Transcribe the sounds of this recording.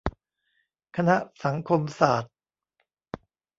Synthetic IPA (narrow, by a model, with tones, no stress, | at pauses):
kʰa˧na˦˥ʔsa˩˦ŋkʰo˧msaː˨˩t̪̚